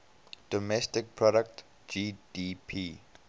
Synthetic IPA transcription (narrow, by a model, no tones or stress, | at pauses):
d̥ɔmɛstɪk̚pʰɹɔɾək̚t | d͡ʒidipʰi